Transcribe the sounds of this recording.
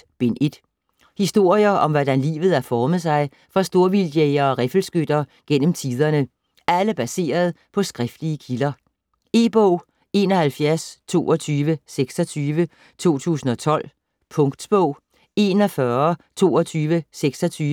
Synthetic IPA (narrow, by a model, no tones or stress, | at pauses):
b̥enʔe̝d̥ | hisd̥o̝ɐ̰jɐʔɒ̽mʋɒd̥ænlḭːʋð̩ˠæɐfɒːmð̩ˠsɑ̈ɪ | fɑ̈sd̥o̝ɐ̰ʋiljeɪɐ̽ːʁɛfl̩sɡ̥ød̥ɐɡ̥en̰m̩t͡sʰið̞ˠɐnə | ʔæləb̥æse̝̰ːɐð̞ˠ | pʰɒ̽sɡ̥ʁɛfd̥liəkʰilɐ | e̝ːb̥ɔʊ̰ | e̝ːnɒ̽hælfjæɐst͡sʰo̝̰ːɒt͡sʰyːʋəseɡ̥sɒt͡sʰyːʋə | t͡sʰo̝̰ːt͡sʰṵːsn̩ɒ̽t͡sʰɒ̽l̰ | pʰɔ̽ŋɡ̥d̥sb̥ɔʊ̰ | e̝ːnɒfɶɐt͡sʰo̝̰ːɒt͡sʰyːʋəseɡ̥sɒ̽t͡sʰyːə